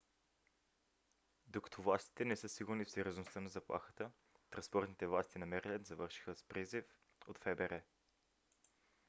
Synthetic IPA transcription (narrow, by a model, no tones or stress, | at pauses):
d̪okə̥t̪ʰovlˠast̪i̥t̪ɛnɛsɤsiɡuɾnifsɛɾʲjoznost̪ənɐzɐplˠa̰xə̥t̪ə | t̪ɾɐnspɔɾt̪nit̪ɛvlˠast̪inɐmɛɾɛlʲət̪zɐvɤɾʃi̥xəspɾizif | ot̪fɛbɛɾɛ